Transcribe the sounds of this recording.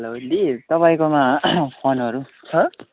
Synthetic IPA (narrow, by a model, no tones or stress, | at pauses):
ʌlod̪it̪ʌpaĩkomapʰonɦʌɾu | ɦʌ̃